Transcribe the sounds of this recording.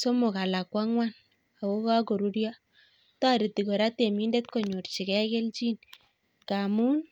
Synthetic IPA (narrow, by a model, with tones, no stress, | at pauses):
so˦mʊ˨ka˨la˨kwa˦ŋwa˦n | a˨wo˦ka˦ko˨ɾu˦ɾja˦ | ta˦ɾi˨ti˨ko˨ɾa˦te˨mi˦nde˦tko˨ɲo˨ɾt͡ʃi˨kɛ˦ke˦lt͡ʃi˦n | ka˨mu˦n